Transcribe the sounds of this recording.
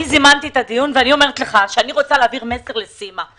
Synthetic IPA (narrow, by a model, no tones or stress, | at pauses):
izimant̪itad̪ijunveanio̞me̞ʁ̞et̪leχaʃeaniʁo̞t͡saleaːviʁme̞seʁle̞sima